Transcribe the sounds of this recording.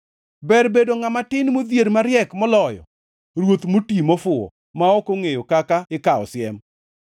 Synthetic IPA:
bɛrbedoŋamatɪnmod̪jeɾmaɾjɛkmɔlɔjɔ̰ | ɾwot̪motimɔfʊɔ̰ | maɔkoŋejokakaɪkaɔ̰sjɛm

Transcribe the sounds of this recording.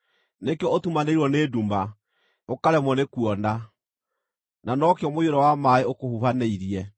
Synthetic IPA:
nekɔotumaneiɾwɔneduma | okaɾɛmɔnekuɔna | nanɔkeɔmojoɾɔwamaeokohufaneiɾiɛ

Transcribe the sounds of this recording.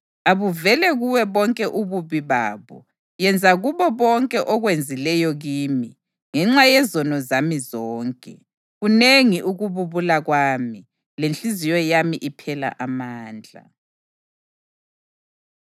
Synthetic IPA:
aβuvɛlɛɣuwɛβɔŋkʼɛʔuβuβiβa̰ːβɔ̰ | jɛnd͡zʱaɣuβɔβɔŋkʼɛʔɔɣwend͡zʱilɛjɔɣiːmi | ŋɛŋ͡ǁajɛzɔnɔzamizɔːŋkʼɛ | ɣuneŋiʔuɣuβuβulaɣwaːmi | lent͡ɬʼizijɔjamiʔipʰɛla̰ʔamaːnd͡ɮʱa̰

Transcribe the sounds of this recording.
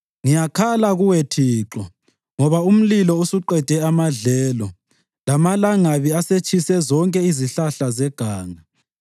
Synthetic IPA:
ŋijakʰalaɣuwetʰiːǁɔ | ŋɔβaum̩lilɔusuǃɛd̥ʱɛamaɮɛːlɔ | lamalaŋaβiaset͡ʃʼisɛzɔŋkʼɛiziɬaɬazɛɡ̥ʱaːŋa

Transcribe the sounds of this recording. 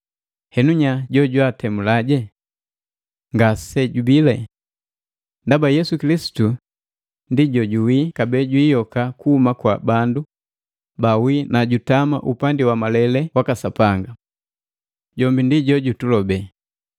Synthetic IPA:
hɛnuɲaɟɔɟwatɛmulaɟɛ | ŋɡasɛɟubilɛ | ndabajɛsukilisi̥tu | ndiɟɔɟuwikabɛɟwiːjɔkakuhumakwabandu | bawinaɟutama̰ʔupandiwamalɛlɛwakasapaŋɡa | ɟɔmbindiɟɔɟutulɔbɛ

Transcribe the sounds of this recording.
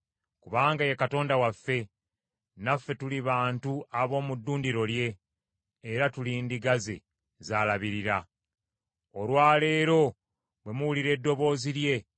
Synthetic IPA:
kuβaːŋɡajekato̞ːndawafːe̞ | nafːe̞tuliβaːntuaβo̞ːmudːuːndiɾo̞lje̞ː | ɾatuliːndiɡazḛ | zaːlaβiɾiɾa | olwaːle̞ːɾo̞ | βwe̞muwuliɾe̞dːo̞βo̞ːziɾje̞

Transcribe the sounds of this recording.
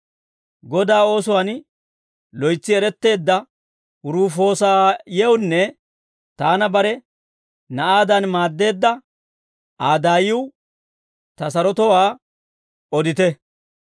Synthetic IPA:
ɡɔd̪aːo̞ːsʊwan | lɔjt͡sːɪɛɾɛt̪ːe̞ːd̪ːɐ | ʊɾuːfo̞ːsaːjɛwnːɛ | t̪aːnɐbɐɾɛ | nɐʔaːd̪ɐnmaːd̪ːe̞ːd̪ːɐ | aːd̪aːjɪw | t̪ɐsɐɾɔt̪ɔwaː | ɔd̪ɪt̪ɛ

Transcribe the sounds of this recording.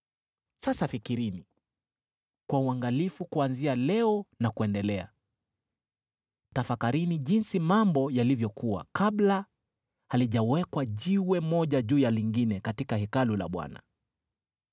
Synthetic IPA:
sasafikiɾini | kwauaŋɡalifukuanzialɛɔnakuɛndɛlɛa̰ | tafakaɾiniʄinsimambɔjalivjɔkʰuwa̰kaɓla | haliʄawɛkwaʄiwɛmɔʄaʄuːjaliŋɡinɛkatikahɛkalula̰ɓwa̰na̰

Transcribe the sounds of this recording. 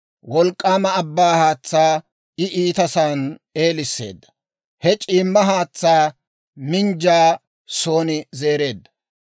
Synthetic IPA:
wɔlkʼːaːmɐːbːaːhaːt͡sːaː | ɪʔiːt̪ɐsaːne̞ːlɪsːe̞̰ːd̪ːɐ̥ | hɛt͡ʃʼiːmːɐɦaːt͡sːaː | mɪnd͡ʒaː | so̞ːnɪze̞ːɾe̞ːd̪ːɐ̥

